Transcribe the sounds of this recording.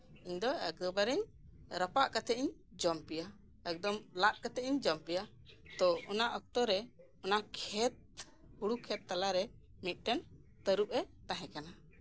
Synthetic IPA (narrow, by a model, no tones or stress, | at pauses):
iɲd̪ɔɛk̚d̪ɔbaɾɛɲ | ɾəpaʔkat̪ʰɛiɲ | d͡ʒɔmpija | ɛk̚d̪ɔmlaʔ̪̚kat̪ɛiɲd͡ʒɔmpija | t̪ɔɔnaʔɔk̚t̪ɔɾɛ | ɔnakʰɛt̪̚ | huɽukʰɛt̪ːalaɾɛ | mit̪̚ˀʈɛn | t̪əɾup̚ɛt̪ãɦɛ̃kana